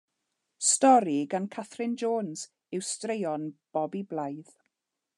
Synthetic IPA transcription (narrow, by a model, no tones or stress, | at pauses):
stɔɾiɡankʰaθrɪnd͡ʒoːnz̥ | ɪwstrejɔnb̥ɔbiblˠajð